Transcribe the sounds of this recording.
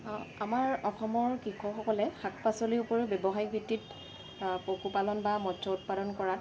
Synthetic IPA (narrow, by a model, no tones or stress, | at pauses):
amaɹɔxɔmɔɹkikʰɔxɔkɔlɛxak̚ʰpasɔliʊpɔɹebɛbɔɦajbʱitːit | pokupalɔnbamɔsʰɔut̚padɔnkɔɹat